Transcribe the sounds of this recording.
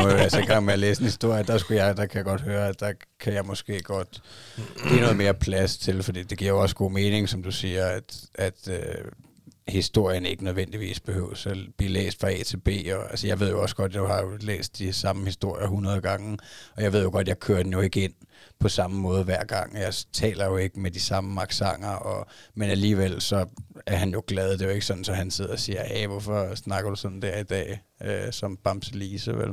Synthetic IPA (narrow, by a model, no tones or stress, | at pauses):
mɒæseɡ̥ɑ̈ŋʋejæleːsd̥en̩hisd̥o̝ɐ̰jəd̥ɑ̈sɡ̥ujɑ̈ɪd̥ɑ̈kʰæjɑ̈ɡ̥ɒ̽d̥høːɐæd̥ɑ̈ | kʰæjɑ̈ɪmɒ̽sɡ̥e̝̰ːɡ̥ɒ̽d̥ | ɡ̥ḭːno̽ːðˠme̝ːɐpʰlæst͡sʰe̝lfɒd̥ḭːd̥e̝ɡ̥iɐ̰joɒ̽sɡ̥o̝̰ːme̝ːne̝ŋsɒ̽md̥usiːɐæd̥æd̥ø | hisd̥o̝ɐ̰jəne̝ɡ̥ənøðˠʋen̰d̥iʋḭːsb̥e̝høʊ̰sæb̥lḭːlḛːsd̥fʁɑ̈ḛːt͡sʰe̝b̥e̝̰ːɒ̽ælsəjɑ̈ɪʋe̝ð̞̰ˠjoɒ̽sɡ̥ɒ̽d̥jaɪhɑ̈jo̝lḛːsd̥ːisɑ̈məhisd̥o̝ɐ̰jɐɦunɐð̞ˠɡ̥ɑ̈ŋ̩ɒjɑ̈ɪʋe̝ð̰joɡ̥ɒ̽d̥jɑ̈ɪkʰøːɐd̥enjo̝e̝ɡ̥əe̝n̰pʰɒ̽sɑ̈məmɔ̽ːð̞ˠʋæɐ̰ɡ̥ɑ̈ŋ̰jɑ̈ɪt͡sʰɛ̰ːlɐjo̝e̝ɡ̥əmed̥isɑ̈məmɑ̈ɡ̥sɑ̈ŋ̰ɐʔɒ̽menæliːʋel̰sɒ̽æɐɦænjo̝ɡ̥lɛð̞ˠd̥e̝je̝ɡ̥sɒ̽n̥n̩sɒ̽hænse̝ð̰ˠɐɒ̽siːɐæʋɔfɒsnɑ̈ɡ̥ɐd̥usɒ̽n̥n̩d̥æɐ̰id̥ɛ̰ː | øsɒ̽mb̥ɑ̈msʰeliːsəʋḛl